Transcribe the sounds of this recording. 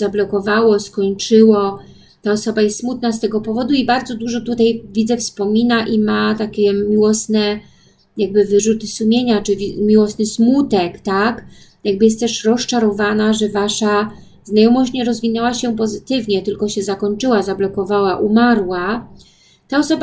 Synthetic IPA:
zablɔkɔvawɔskɔɲt͡ʂɘwɔ | t̪aɔsɔbajɛst̪smut̪̚nast̪ɛɡɔpɔvɔd̪uibaɾd̪zɔd̪uʐɔt̪ut̪ajvʲidzɛfspɔmʲinaʔimat̪akʲɛmʲiwɔsnɛ | jaɡ̚bɘvɘʐut̪ɘsumʲjeɲat͡ʂɘvʲimʲiwɔsnɘsmut̪ɛkt̪ak | jaɡ̚bɘjɛst̪t̪ɛʂɾɔst͡ʂaɾɔvanaʐɛvaʂa | znajɔmɔɕt͡ɕɲɛɾɔzvʲinɛwaɕɛpɔzɘt̪ɘvɲɛt̪ɘlkɔɕɛzakɔɲt͡ʂɘwazablɔkɔvawaʔumaɾwa | t̪aɔsɔba

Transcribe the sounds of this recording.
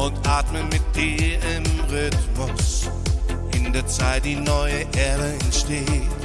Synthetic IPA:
ʊtʔaːtmənmɪt̚d̥iːɪmʁʏtmʊs | ʔɪndeːɐt͡saɪt̚d̥iːnɔʏəʔɛɐdəɛntʃteːt

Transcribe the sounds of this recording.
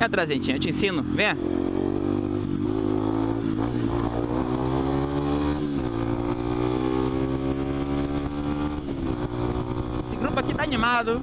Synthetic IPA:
at̪ɾazẽnt͡ʃĩɐewt͡ʃɪẽsĩnʊvẽj̃ɐ | esɪɡɾupʊakit̪aanimad̪ʊ

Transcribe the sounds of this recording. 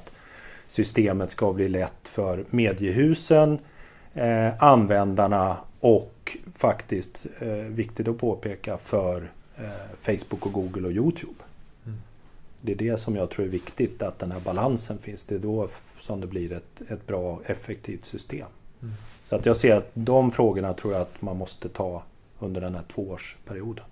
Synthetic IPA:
t̪ | sʏst̪eːmət̪skabliːlɛt̪ːfœɾmeːd̪ɪjəɦʉ̟ːsən | anvɛnd̪aɳaɔkːfakt̪ɪst̪vɪkt̪ɪt̪ɔpʰoːpʰeːkafœɾ | fɛɪsbʊkːɔɡuːɡəlɔjuːt̪ʰjʉːb̥ | d̪ɛːɖɛsɔmjɑːɡ̚t̪ʰɾuːɾæɾvɪkt̪ɪt̪at̪̚d̪ɛnhæːɾbalansənfɪnsd̪ɛːd̪osɔmd̪ɛblɪɾɛt̪ɛt̪̚bɾɑːɛfːɛk̚t̪ʰiːft̪sʏst̪ḛːm | sɔat̪jɑːɡseːɾat̪d̪ɔmfɾoːɡəɳat̪ʰɾuːɾjaat̪manmɔst̪ət̪ʰɑː | ɵnd̪əɖɛnhæːʈʰvoːoːʂpʰæɾɪuːd̪ən

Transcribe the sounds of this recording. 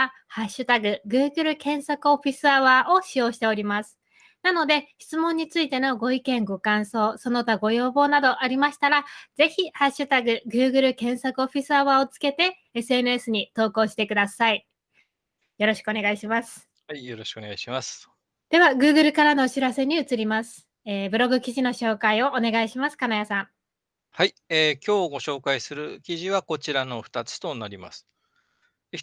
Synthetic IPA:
a | haɕːɨt̪aɡɯ̟ɡɯːɡɯ̟ɾɯ̟kẽ̞ɰ̃sakɯ̟o̞ɸʲisɨaβaːʔo̞ɕijo̞ːɕi̥t̪e̞o̞ɾʲimasɨ̥ | nano̞d̪e̞çi̥t͡sɨmõ̞ɲ̟ːit͡sɨit̪e̞no̞ɡo̞ikẽ̞ŋɡo̞kãɰ̃so̞ːso̞no̞t̪aɡo̞jo̞ːbo̞ːnad̪o̞ʔaɾʲimaɕi̥t̪aɾaz̥e̞çʲihaɕːɨt̪aɡɯ̟ɡɯ̟ːɡɯ̟ɾɯ̟kẽ̞ɰ̃sakɯ̟oɸʲisɨaβaːot͡sɨ̥ke̞t̪e̞ | esɨe̞nɯe̞sɨɲ̟it̪o̞ːko̞ːɕi̥t̪e̞kɯd̪asai | jo̞ɾo̞ɕi̥kɯo̞neɡaiɕimasɨ̥ | haijo̞ɾo̞ɕi̥kɯoneaiɕimasɨ̥ | d̪̥e̞β̞aɡɯ̟ːɡɯ̟ɾɯ̟kaɾano̞ːɕiɾase̞ɲ̟iɯ̟t͡sɨɾʲimasɨ̥ | eːbɯ̟ɾo̞ɡɯ̟kʲiʑino̞ɕo̞ːkaio̞ʔone̞ɡaiɕimasɨ̥kanajasãŋ | haieːkʲo̞ːɡo̞ɕo̞ːkaisɨɾɯ̟kʲiʑiβako̞t͡ɕiɾano̞ɸɯ̟̥t̪at͡sɨ̥t̪o̞naɾʲima̰sɨ̥

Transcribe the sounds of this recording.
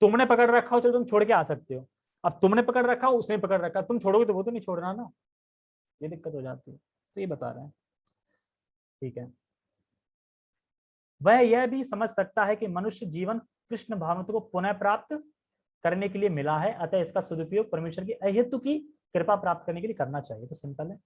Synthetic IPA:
t̪ʊmnepɐkəɽɾɐkʰːaɦot͡ʃɐlet̪ʊmt͡ʃʰoːɽkeaːsɐk̚t̪eɦoː | ɐb̚t̪ʊmnepɐkəɽɾɐkʰːaɦoʊsnẽbʱipɐkəɽɾɐkʰːat̪ʊmt͡ʃʰoːɽoːɡit̪oʋot̪onɐɦĩt͡ʃʰoːɽɾaɦɛna | jed̪ɪkːət̪ɦod͡ʒa̰ːt̪iɦɛ | t̪ojebɐt̪a̰ːɾɐ̰ɦɛ̃ː | ʈʰiːkɦɛː | ʋɛɦjeɦbʱisɐməd͡ʒʱsɐk̚t̪aɦɛkimɐnʊʃjəd͡ʒiːʋən | kɾɪʃnəbʱaːʋnt̪kopʊnəpɾaːp̚t̪ | kɐɾnekeliemɪlaɦɛʔɐt̪ɛɪskasʊd̪ʱpjoːɡ̚pɐɾmeːʃəɾk̬iʔɐɦɪt̪ːuki | kɾɪpapɾaːp̚t̪̚kɐɾnekeliekɐɾnat͡ʃaːɦiet̪osɪ̃mpəlɦɛː

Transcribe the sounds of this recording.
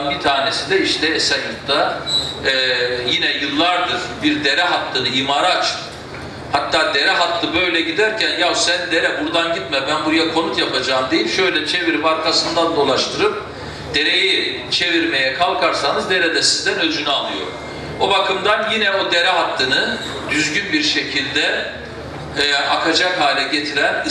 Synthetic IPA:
nbit̪ʰaːne̞sid̪ɛiʃt̪ʰɛsɛnukt̪ʰa | ɛːjinɛjɯlˠːaɾd̪ɯɾ̥biɾd̪e̞ɾɛɦat̪ʰːɯnɯimaɾaːt͡ʃʰɯ̥p | hat̪ʰːaːd̪e̞ɾɛɦat̪ʰːˠɯbø̞jlʲɛɟid̪æɾcʰænjausænd̪e̞ɾɛbuɾd̪anɟit̪mɛbænbuɾajakʰo̞nut̪japʰad͡ʒaːmd̪e̞jimʃø̞jlʲɛt͡ʃʰe̞viɾipaɾkʰasɯnd̪and̪o̞lˠaʃt̪ʰɯɾɯp̚ | d̪̥e̞ɾe̞ji | t͡ʃʰe̞viɾme̞jɛkʰalˠkʰaɾsanɯzd̪e̞ɾɛd̪ɛsizd̪ænød͡ʒynɛalˠɯjo̞̰ɾ | bobakʰɯmd̪anjinɛo̞d̪e̞ɾɛɦat̪ʰːɯnɯ | d̪yzɟynbiɾʃe̞cʰilʲd̪ɛ | ʔakʰad͡ʒakhaːlʲɛɟe̞t̪ʰiɾæn

